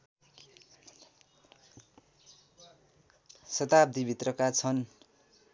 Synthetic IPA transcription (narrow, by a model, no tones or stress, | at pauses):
sʌt̪ab̚d̪ʱibʱit̪rʌkat͡sʰʌn